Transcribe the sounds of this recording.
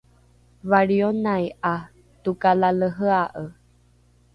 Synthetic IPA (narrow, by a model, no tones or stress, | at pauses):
βaɾionajʔa | t̪ukalaləɦəaʔə